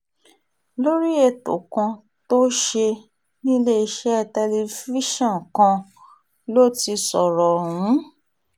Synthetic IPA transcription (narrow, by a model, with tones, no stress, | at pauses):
lo˦ɾi˦e˧˨to̰˨kã˧ | to˦ʃe˧ | nĩ˦le˦i˧ʃɛ˦˧tɛ˧le˧fi˦ʃɔ̃˦˨n˨kã˧ | lo˦ti˧sɔ˨ɾɔ˨wũ˨˦